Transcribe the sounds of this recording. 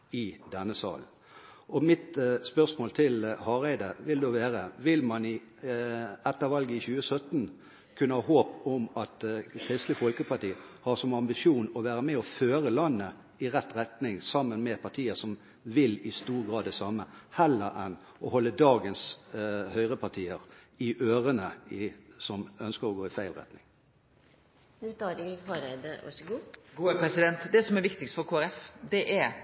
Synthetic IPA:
ɪd̪ɛnːəsɑ̰ːl | ɔmɪt̪spœʁsmoːlt̪ʰɪlhɑʁæɪd̪əʋɪld̪oːʋeːʁəʋɪlmɑnɪ | ɛt̪ːəʋɑlɡəɪçʉːəsœt̪n̩ | kʰʉnːəhɑːɦoːpɔmɑt̪kʰʁɪst̪lɪfɔlkəpʰɑʈiːhɑsɔmɑmbɪʂuːnɔʋæːʁəmɛɔføːɾəlɑnːə | ɪʁɛt̪ːʁɛt̪nɪŋsɑmːənmɛpʰɑt̪ʰiːəsɔm | ʋɪlɪst̪uːʁɡʁɑːd̪ːɛsɑməhɛlːəɾʔɛn | ʔɔhɔlːəd̪ɑːɡənshœʏʁəpʰɑʈʰiːəʁ | ɪʔøːʁənəɪsɔmœnskəɾɔɡoːɪfæɪlʁɛ̰t̪nɪŋ | nʉt̪ɑd̪ɪfɑːɾɛd̪əʋɑ̰sɔɡuːɡuːpɾɛsɪd̪ɛnt̪d̪ɛsɔmɛɾʋɪkt̪ɪkst̪fɔɾkʰoːæɾɛfd̪ɛʔæɾ

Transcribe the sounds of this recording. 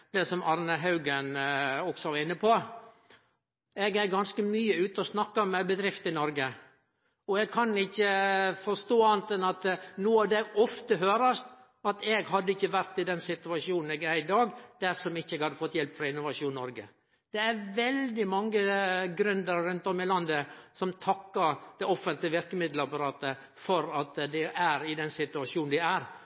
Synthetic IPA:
d̪̥ɛsɔmɑɾnəɦɑʉɡənɔksɔʋɑɾɪnːəpʰɔ | ɛɡæɾɡɑnskəmyːəʉːt̪əɔsnɑkːɑmɛbəd̪ɾɪft̪ɪnɔɾɡə | ɔɛɡ̚kʰɑnɪçːəfɔst̪oːɑnt̪ɛnɑt̪nuːɑʋd̪ɛɡɔft̪əɦøːɾəst̪ | ɑt̪ɛɡɦɑd̪ːəɪçːəʋæɾt̪ɪd̪ɛnsɪt̪ʉɑʂuːnn̩ɛɡæɾɪd̪ɑːɡd̪̥æɾʂɔmɪçːəɛɡhɑd̪ːəfɔt̪ːjɛlpfɾɑɪnʊʋɑʂuːnnɔɾɡə̰ | d̪̥ɛæɾʋɛld̪ɪmɑŋːəɡɾʉnd̪əɾɾʉnt̪ɔmːɪlɑnd̪əsɔmt̪ʰɑkːəɾd̪̥ɛɔfːənt̪ləʋɪɾkəmɪd̪ləɑpɑɾɑːt̪ə | fɔɾɑt̪d̪ɛʔæɾɪd̪ɛnsɪt̪ʉɑʂuːnn̩d̪ææɾ

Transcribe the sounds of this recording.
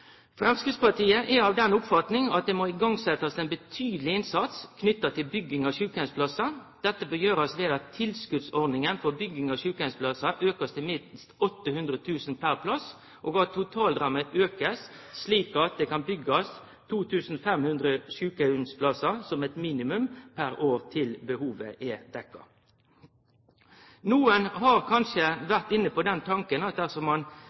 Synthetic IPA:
fɾɛmskɾɪt̪spɑt̪iːəʔɛɑːʋd̪ɛnʊpfɑt̪nɪŋɑt̪̚d̪eːmoɪɡɑŋsɛt̪ːɑsɛnbət̪ʰyːd̪əlɪɪnsɑt̪skʰnʏt̪ːɑt̪ɪlbʏɡːɪŋɑɕʉːkæʉnspʰlɑsɑd̪̥ɛt̪ːəbəjøːɾɑsʋeːd̪ɑt̪ʰːɪlskʉd̪sɔɾd̪nɪŋənfɔɾbʏɡɪŋɑɕʉːkænspʰlɑsɑʔøːkəst̪ʰɪlmɪst̪ɔt̪ːəhʉnd̪ɾət̪ʰʉːsn̩pʰæɾpʰlɑs | ʔoːɡɑt̪ʰːʊt̪ʰɑːld̪ɾɑmːəʔøːkəsː | liːkɑt̪̚d̪ɛːkɑnbʏɡɑs | t̪ʰuːt̪ʰʉːsn̩fɛmhʉnd̪ɾəʃʉːkəʉnspʰlɑsɑsɔmɛt̪miːnɪmʉmpʰæɾoːʁt̪ʰɪlbəhuːʋə̰ʔɛd̪̥ɛkːɑ̰ | nuːənɦɑʁkʰɑnʂəʋæʁt̪ɪnːəpɔd̪ɛnt̪ʰɑŋkənɑt̪̚d̪æʁsɔmɑn

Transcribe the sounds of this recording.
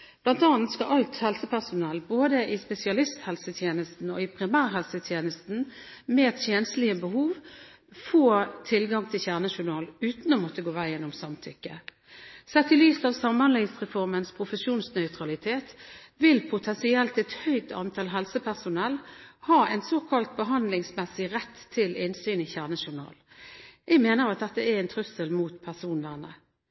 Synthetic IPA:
b̥lɑnt̪ɑːnt̪skɑʔɑlt̪hɛlsəpʰæʁsʊnɛlboːd̪əʔɪspɛsɪɑlɪst̪hɛlsət̪ʰjeːnəst̪n̩ɔɪpʰʁɪmæːʁɦɛlsət̪ʰjeːnəst̪n̩meːt̪ʰjeːnst̪lɪəbəhuːʋ | foːt̪ʰɪlɡɑŋt̪ʰɪlçæʁnəʃʊʁɳɑːlʉːt̪nɔmɔt̪əɡoːʋæɪjɛnːʊmsɑmt̪ʰʏkːə | sɛt̪ːɪlyːsɑːʋsɑmhɑnlɪŋsʁɛfɔʁmənspʰʁʊfəsuːnsnœʏt̪ɾɑlɪt̪ʰeːt̪ʋɪlpʰʊt̪ʰɛnsɪɛlt̪ɛt̪hœʏt̪ʰɑ̰nt̪ʰɑːlɦɛlsəpʰæʁsʊnɛlhɑːʔɛɪnsoːkʰɑlt̪̚bəɦɑnd̪lɪŋsmɛsɪʁɛt̪ʰːɪlɪnsyːnɪçæːʁnəʃʊʁnɑ̰ːl | jɛɡmeːnəɾɑt̪̚d̪ɛt̪ːəɛɛnt̪ʰʁʉsəlmuːt̪pʰæʁsuːnləʁnə

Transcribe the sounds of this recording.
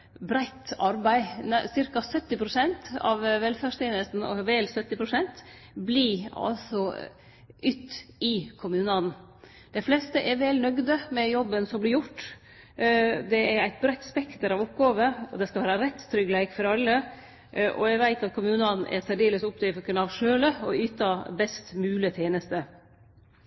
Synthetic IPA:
bɾæɪt̪ɑɾbæɪnsɪɾkɑsœt̪ːɪpʰɾʊsɛnt̪ɑ̰ʋʋɛlfæʂt̪eːnəsn̩ɔ̰ʋɛːlsœt̪ːɪpʰɾʊsɛnt̪ | bliɑ̰lsɔ | ʔʏt̪ːɪkʰʊmʉːnɑn | d̪̥ɛɪflɛst̪əʔɛɾʋɛlnœɡd̪əmɛjɔbːənsɔmblɪɾjʊʈː | d̪ɛɛɾæɪt̪̚bɾɛt̪ːspɛkt̪əɾɑʋʊpːɡɑːʋəɔd̪ɛskɑlʋæːɾɑɾɛt̪st̪ʰɾʏɡlæɪkfɔɾɑlːə | ʔɔ̰æɡʋæɪt̪ɑt̪̚kʰʊmʉːnɑnɛ̰ɾt̪ɛɖeːləsʊpd̪œfɔkənɑʋʂøːləɔyːt̪ɑbɛst̪mʉːlət̪ʰjeːnəst̪ə

